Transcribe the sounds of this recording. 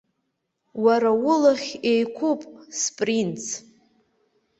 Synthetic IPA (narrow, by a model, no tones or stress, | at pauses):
waɾawʊlaχʲejkʷʰupʼspʼrint͡sʰ